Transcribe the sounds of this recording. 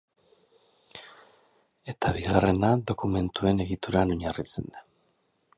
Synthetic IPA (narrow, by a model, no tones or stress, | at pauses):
e̞t̪aβiɣare̞naðo̞kume̞nt̪ue̞ne̞ɣit̪uɾano̞ɲarit͡sḛnd̪a